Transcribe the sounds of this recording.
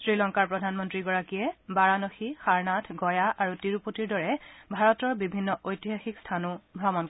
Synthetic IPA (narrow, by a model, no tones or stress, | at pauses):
sɹilɔŋkaɹpɹɔdʱanmɔntɹiɡɔɹakijɛbaɹanoxixaɹnatʰɡɔjaʔaɹutiɹupotiɹdɔɹɛbʱaɹɔtɔɹbibʱinːɔʔojtiɦaxikstʰanubʱɹɔmɔn